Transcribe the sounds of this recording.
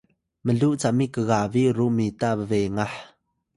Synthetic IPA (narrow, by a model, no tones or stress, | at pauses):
məɮuʔt͡saʔmikəɣaviɾuʔmitabəveŋaħ